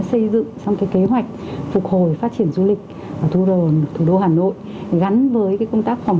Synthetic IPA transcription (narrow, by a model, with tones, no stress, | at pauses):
sə˧jzɨ̰˧˨ŋsa˧wŋ͡mkaː˨˦jke˨˦ɦwa˨˩jk̟̚fʊ˨˩k̚ho˨˩jfaː˦˥t̚t͡ɕi˧˩ənzu˧lï˨˩k̟̚ | əː˧˩t̪ʰu˧ɗo˧˨nt̪ʰu˨˧˩ɗo˧ɦaː˨˩no̰˧˨j | ɣa˨˦nvəː˨˦jkaː˨˦kə˧wŋ͡mt̪aː˦˥k̚fa˨˩wŋ͡m